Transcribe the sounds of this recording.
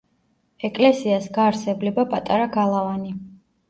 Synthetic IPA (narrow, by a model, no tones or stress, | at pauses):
ɛkʼlɛsiasɡaːɾsɛblɛbapʼat̪ʼaɾaɡalˠavani